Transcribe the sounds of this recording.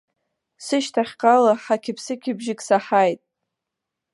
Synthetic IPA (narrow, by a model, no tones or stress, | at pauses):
sɨʃtʰaχʲqʼalaħakʲʰɪpʰsɨkʲʰɪbʒɪkʼsaħajtʼ